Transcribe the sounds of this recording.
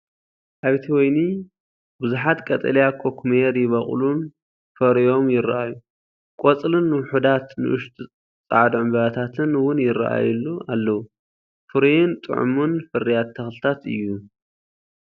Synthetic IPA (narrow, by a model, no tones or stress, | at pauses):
ʔaβt̪ʰiwɔjni | bɨzuħat̪kʼɐt̪ʼɐ̰lijakʰokʰmeɾjɪβɐχʼlun | fɐɾijo̞mjɪɾa̰ʔaju | kʼot͡sʼlɨnːɨwʊħud̪at̪nɨ̰ʔɨʃt̪ʼ | t͡sʼa̰ʕd̪ʕɨmbɐβat̪ʰat̪ʰɨnwʊnjɪɾa̰ʔa̰jlːualːɐwu | fɨɾijɪnt̪ʼɨ̰ʕṵmunfɨɾijat̪ʰːɐxlɨt̪ʰat̪ɨ̰jːu